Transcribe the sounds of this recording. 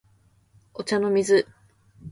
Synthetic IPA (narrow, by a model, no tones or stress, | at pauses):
ot͡ɕano̞mʲizɨ